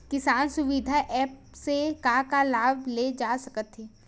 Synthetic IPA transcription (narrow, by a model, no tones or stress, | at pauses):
kɪsaːnsʊʋid̪ʱaʔɛːp | sekakalaːbled͡ʒaːsɐkət̪ɦeː